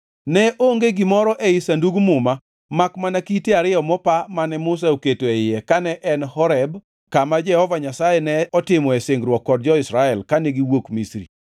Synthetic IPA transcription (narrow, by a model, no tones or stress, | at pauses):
nɛʔoŋɡeɡɪmɔɾɔʔɛɪsanduɡmʊma | makmanakiteaɾɪjɔmɔpamanɛmʊs̬aoketoejɛkanɛʔɛnhɔɾɛb | kamad͡ʒɛhɔvaɲasajɛnɛɔtɪmɔɛsɪŋɡɾwɔkːɔd̚d͡ʒɔɪsɾaɛlkaneɡiwokmisɾḭ